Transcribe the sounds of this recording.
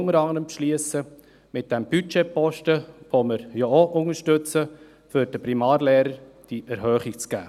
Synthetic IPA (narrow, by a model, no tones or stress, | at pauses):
ŋəɾɑŋəɾəmpʃliəsə | mɪt̚d̥ɛmb̥yt͡ʃepɔʃtəʋoməɾjɔoʔʊŋəɾʃtʏt͡sə | føɾd̥əpɾimɑːɾleːɾəɾ | d̥iʔɛɾhœːχikt͡sɡ̥æ̰ː